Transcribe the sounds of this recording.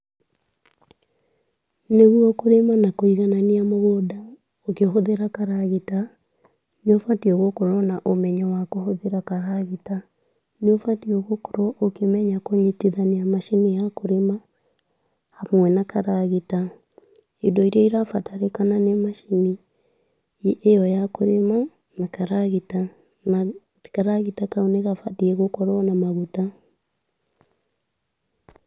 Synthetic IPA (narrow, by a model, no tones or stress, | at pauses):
neɣuɔkoɾemanakoiɣananiamoɣoda | okehoðeɾakaɾaɣeta | neofatiɔɣokoɾɔnaʔomɛɲɔwakohoðeɾakaɾaɣita | neofatioɣoko̥ɾɔʔokemɛɲakoɲetiðaniamaʃinijakoɾema | hamwɛnakaɾaɣita | idɔiɾaiɾafataɾekananemaʃini | ejɔjakoɾema | nakaɾaɣita | na | kaɾaɣitakauneɣafatiɛɣokɔɾɔnamaɣuta